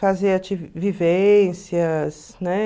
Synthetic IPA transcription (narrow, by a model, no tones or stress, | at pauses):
fazeɐt͡ʃivvivẽsiɐs | nɛ